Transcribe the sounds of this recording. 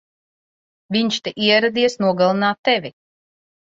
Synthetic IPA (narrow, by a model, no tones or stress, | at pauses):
vʲiɲʃt̪eʔiɛɾad̪iɛsnuɔɡalˠinaːt̪ːɛvʲi